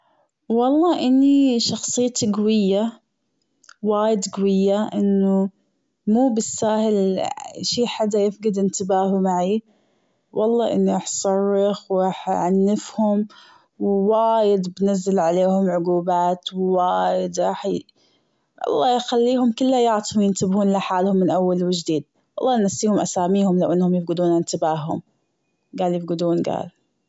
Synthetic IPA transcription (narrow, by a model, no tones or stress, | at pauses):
wɑlˤːɑːʔɪnːiʃɑxsˤɨjːt̪iɡawɪjːa | waːjɪd̪ɡawɪjːaʔɪnːʊ | muːbɪsːaːhɪlʃiːħad̪ːajɪfɡɪd̪ɪnt̪ɪbaːɦumaʕi | wʔɑlˤːɑːʔɪ̰nːiʔaħsˤɑrˤːɪxwʔaħʕanːɪfhʊm | wwaːjɪd̪bnazːalʕaleːhʊmʕʊɡuːbaːt̪wwaːjɪd̪ɾɑːħ | ʔɑ̰lˤːɑːjxalːiːhʊmkʊlːajɑʕt̪ˤhʊmjɪnt̪ɪbhuːnlaħaːlhʊmːɪnʔawːalwɪd͡ʒd̪iːd̪̚ | wɑlˤːɑːnasːiːhʊmʔasaːmiːhʊmlawʔanːhʊmjɪfɡɪd̪uːnaɪnt̪ɪbaːhhʊm | ɡaːljɪfɡɪd̪uːnɡa̰ːl